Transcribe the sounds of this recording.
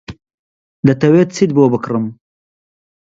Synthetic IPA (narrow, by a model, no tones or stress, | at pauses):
d̪ət̪ɐwet̪t͡sid̪̚boːbəkɾəm